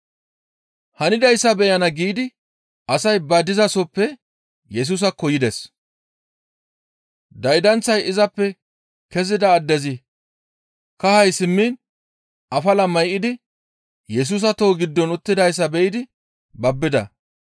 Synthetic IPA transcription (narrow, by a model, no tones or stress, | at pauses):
hɐnɪd̪ɐjsːɐbɛjɐnɐɡiːd̪ɪ | ʔɐsɐjbɐd̪ɪzɐsɔpːɛ | jɛs̬uːs̬ɐkɔjɪd̪ɛs | d̪ɐjd̪ɐnt͡sːɐjɪzɐpːɛ | kɛzɪd̪ɐːd̪ːɛzɪ | kɐhɐjsɪmːiːn | ɐfɐlɐmɐjʔːɪd̪ɪ | jɛs̬uːs̬ɐt̪o̞ːɡɪd̪ːɔnʊt̪ːɪd̪ɐjs̬ːɐbɛʔɪd̪ɪ | bɐbːɪd̪ɐ̰